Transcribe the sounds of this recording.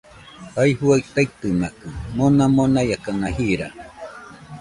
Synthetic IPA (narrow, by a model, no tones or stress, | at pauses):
haiɦuait̪ait̪ɨnakɯmonamonajakanahiɾa